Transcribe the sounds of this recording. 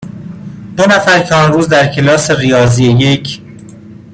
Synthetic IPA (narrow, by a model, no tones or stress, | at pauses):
d̪̥onæfæɾcʰeɒnɾuːzd̪æɾcʰe̞lɒːse̞rijɒːziejecʰ